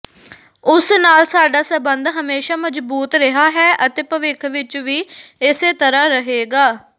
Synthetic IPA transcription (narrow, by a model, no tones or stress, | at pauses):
ʊsnaːlsaːɖaːsəbənd̪ɦəmeːʃaːməd͡ʒbuːt̪ɾɪɦaːɦɛːʔət̪eːpəʋɪkʰʋɪt͡ʃʋiːɪseːt̪əɾaːɾəɦeːɡaː